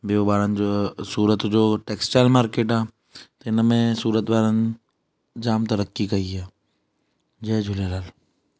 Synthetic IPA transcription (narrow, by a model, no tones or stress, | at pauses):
beobaːɾənd͡ʒosuːɾət̪d͡ʒoːʈeːksʈaːlmaːɾkeːʈaː | t̪ɪnmẽsuːɾət̪baːɾən | d͡ʒaːmt̪ɐɾəkːikɐiaː | d͡ʒɐːd͡ʒʱʊleɾaːl